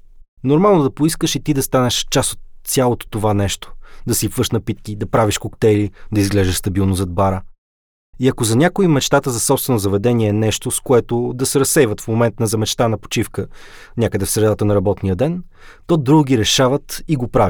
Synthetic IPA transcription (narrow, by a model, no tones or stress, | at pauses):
noɾmalˠnʊd̪ɐpoiskəʃit̪id̪ɐst̪anɛʃt͡ʃasot̪ːsʲalˠot̪o̥t̪ovanɛʃt̪o̥d̪ɐsipvɤʃnɐpit̪̚kid̪ɐpɾaviʃkokt̪ɛjlid̪ɐizɡlɛʒɛʃst̪ɐbilˠnozɐd̪̚baɾə | iɐkozɐnʲakoimɛt͡ʃt̪at̪əzɐsɔpst̪vɛnʊzɐvɛd̪ɛniɛːnɛʃt̪oskoɛt̪od̪ɐsɛɾɐsɛjvət̪fmomɛnt̪nɐzɐmɛt͡ʃt̪anɐpo̥t͡ʃifkə | nʲakəd̪ɛfsɾɛd̪at̪ənɐɾɐbɔt̪nijəd̪ɛn | t̪ɔd̪ɾuɡʲiɾɛʃavət̪iɡopɾavʲi